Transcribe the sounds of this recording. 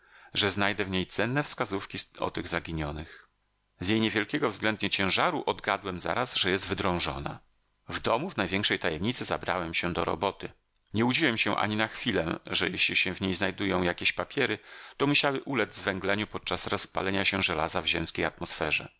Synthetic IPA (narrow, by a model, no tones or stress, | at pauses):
ʐɛznajd̪ɛvɲejt̪sɛnːɛfskazufkʲiɔ̰t̪ɘɣzaɡʲiɲɔnɘx | zʲjejɲɛvʲjɛlkʲɛɡɔvzɡlɛnd̪ɲɛt͡ɕɛ̃w̃ʐaɾuʔɔd̪ɡad̪wɛmza̰ɾasʐɛjɛst̪vɘd̪ɾɔ̃w̃ʐɔ̰na̰ | vd̪ɔmuvnajvʲjɛ̃ŋkʂɛjt̪ajɛmɲit̪sɘza̰bɾa̰wɛmɕɛd̪ɔɾɔ̰bɔt̪ɘ | ɲɛud͡ʑiwɛmɕɛʔa̰ɲinaxfʲilɛ̰ʐɛjɛɕlʲiɕɛ̃vɲejznajd̪ujɔ̃w̃jakʲeɕpapʲjɛɾɘt̪ɔmuɕawɘʔulɛd̪d͡z̪zvɛ̃ŋɡlɛɲupɔt̪̚t͡ʂasɾɔspa̰lɛɲaɕɛʐɛlazavʑɛmskʲejat̪mɔsfɛʐɛ̰